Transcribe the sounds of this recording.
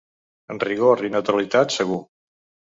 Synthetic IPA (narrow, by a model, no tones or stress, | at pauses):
ənriɣoɾinət̪ɾalit̪at̪səɣ̞u